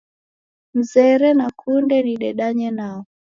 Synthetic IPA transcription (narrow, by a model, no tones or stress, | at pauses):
m̩zɛɾɛnakʰundɛniɗɛɗaɲɛnaɔ